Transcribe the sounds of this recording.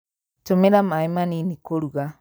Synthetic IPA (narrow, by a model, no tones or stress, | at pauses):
t͡ʃomeɾamajmaninikoɾuɡa